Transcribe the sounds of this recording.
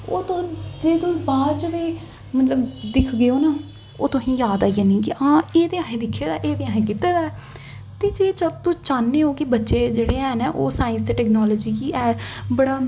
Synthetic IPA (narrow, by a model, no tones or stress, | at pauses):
oːt̪õːd͡ʒeːd̪õːbaːɾd͡ʒəʋeː | mət̪ləbd̪ɪkʰɡeoːnaː | oːt̪õːɦĩːjaːd̪aːianĩːɡiʔãːeːt̪eːãːɦẽːd̪ɪkʰːeːd̪aːʔeːd̪eːãːɦẽːkɪt̪eːd̪aː | t̪eːd͡ʒeːt͡ʃət̪õːt͡ʃaːnːeːoːkɪbətːʃeːd͡ʒeːɽeːɛːnɛːʔoːsaːɪ̃nst̪eːʈɛːknɔːlɔːd͡ʒiːkiːʔɛːbəɽaː